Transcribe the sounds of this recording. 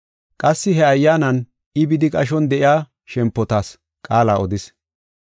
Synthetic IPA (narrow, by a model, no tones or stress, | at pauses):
kʼɐsːɪɦɛɐjːaːnɐn | ɪbɪd̪ɪkʼɐʃ̬ɔnd̪ɛʔɪjaː | ʃɛmpːɔt̪aːs | kʼaːlaːɔd̪ɪs